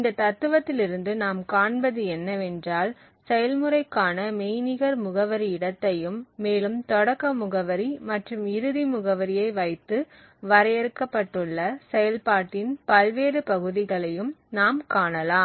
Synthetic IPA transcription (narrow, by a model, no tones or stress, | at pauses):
ɪnd̪ɐt̪ɐt̪ːɯʋɐt̪ːɪlɪɾɯnd̪ɯnaːmkaːɳbɐðɯɛnːɐʋɛndraːl | sɛjɐlmɯɾɐɪkːaːnɐmɛjnɪɣɐɾmʊɣɐʋɐɾiɪɽɐt̪ːɐjɯmːeːlɯmt̪ɔɽɐkːɐmʊɣɐʋɐɾimɐʈrɯmɪɾɯðimʊɣɐʋɐɾɪjɐɪʋɐɪt̪ːɯ | ʋɐɾɐjɛɾɯkːɐpːɐʈːɯɭːɐsɛjɐlpaːʈːɪnpɐlʋeːɾɯpɐɣɯðɪɣɐɭɐjɯmnaːmkaːɳɐlaːm